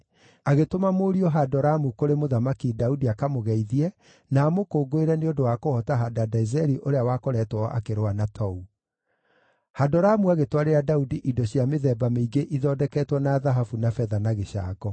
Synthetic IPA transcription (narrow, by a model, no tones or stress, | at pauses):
aɣetomamoɾiɔɦadɔɾamukoɾemoðamakidaudiakamoɣɛiðiɛ | naːmokoːɡoeɾɛneondowakohɔtaɦadadaizɛɾiʔoɾeawakoɾɛːtwɔʔa̰keɾoanatʰɔu | hadɔɾamuaɣetwaɾeɾadaudiʔidɔɕjameðɛbameiɡeʔiðɔːdɛkɛːtwɔnaðaɦafunafɛðanaɣeɕa̰ɡɔ